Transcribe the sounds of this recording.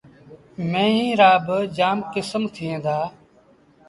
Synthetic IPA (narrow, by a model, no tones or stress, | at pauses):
mẽːĩːɾaːbəd͡ʒaːmkɪsəmt̪ʰɪẽːd̪aː